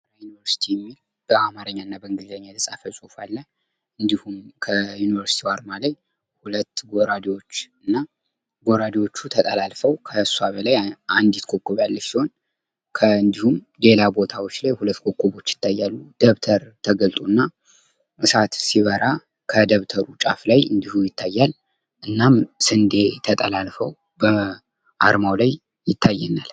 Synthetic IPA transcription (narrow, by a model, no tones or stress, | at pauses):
ɾajunivəɾsi̥t̪ʰijɛmːil | b̥əamaɾəɲːaɨnːabəɨŋɡɨzəɲːat̪ʰəsʼafəsʼufalːə | ɨnd̪ihumkʰəjunivəɾsi̥t̪ʰiwaɾmalaj | hulət̪ːɡoɾad̪iwo̞t͡ʃːɨnːa | ɡoɾad̪iwo̞t͡ʃːut̪ʰət̪ʼəlalfəwkʰəsuaβəlajʔand̪it̪kʰokːoβalːəsiho̞n | kʰəɨnd̪ihum | le̞labo̞t̪ʰawot͡ʃːlajhulət̪ːkʰo̞kːoβo̞t͡ʃːjɪ̥t̪ːajːalːud̪̥əβt̪ʰəɾt̪ʰəɡəlt̪ʼunːa | ʔɨsat̪siβəɾa | kʰəd̪əβt̪ʰəɾut͡ʃʼaflajɨnd̪ihujɪt̪ʰːajːal | ʔɨnːamsɨnd̪e̞t̪ʰət̪ʼəlalfəw | bə | ʔaɾmawlaj | jɪt̪ʰːajːɛnal